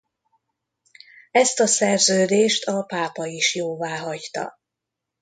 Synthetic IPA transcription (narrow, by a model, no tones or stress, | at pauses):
ɛst̪ɒsɛrzøːd̪eːʃt̪ʰɒpaːpɒiʃjoːvaːɦɒɟt̪ɒ̰